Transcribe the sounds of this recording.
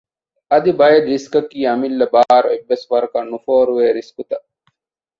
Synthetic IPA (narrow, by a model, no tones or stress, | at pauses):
ɐd̪ibɐjɐd̪ɾiskɐkiːɐmilːɐbaːɾoebːesʋɐɾɐkɐnufoːɾuʋeːɾiskut̪ɐ